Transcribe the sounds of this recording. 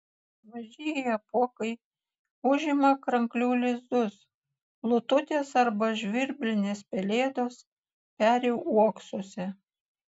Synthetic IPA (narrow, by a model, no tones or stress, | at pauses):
ʋɐʒʲijɛɐpoɔkɐɪ | ʊʒʲɪmɐkɾɐŋklʲuːlʲɪzd̪ʊs | lˠʊt̪ʊt̪ʲeːsɐɾbɐʒʲʋʲɪɾʲbʲlʲɪnʲeːspʲɛlʲeːd̪oːs | pʲæːɾʲɛʊuɔksoːsʲɛ